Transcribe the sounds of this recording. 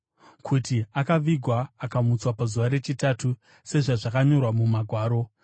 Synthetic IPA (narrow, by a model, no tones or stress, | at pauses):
kʰutiakaʋiɡʱwaːkamut͡swapazuʋaɾe̞t͡ʃitatʰu | se̞ʐaʐakaɲo̞rwamumaɡʱwaːɾo̞